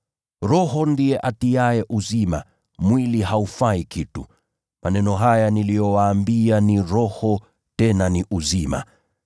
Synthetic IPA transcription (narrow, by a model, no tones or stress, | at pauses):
ɾɔɦɔndijɛʔatiaɛʔuzima̰ | mwiliɦaufaikʰitu | mʔanɛnɔɦajanilijɔwaːmbianiɾɔhɔ | tɛnaniʔuzima̰